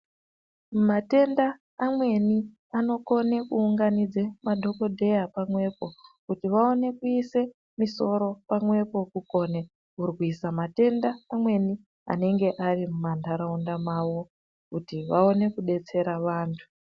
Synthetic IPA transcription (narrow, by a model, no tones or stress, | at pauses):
mate̞ndaː | mwe̞ni | ano̞ko̞ne̞kuːŋɡanid͡zemadʱo̞ko̞dʱe̞japamwe̞ːpo̞kutiʋao̞ne̞kuise̞ | miso̞ɾo̞pamwe̞po̞kuko̞ːne | urwisamate̞ndaːmwe̞ni | a̰ne̞ŋɡe̞ʔarimumandaɾaundamaʋo̞ | kutiʋao̞ne̞kuɗe̞t͡se̞ɾaʋaːntʰu̥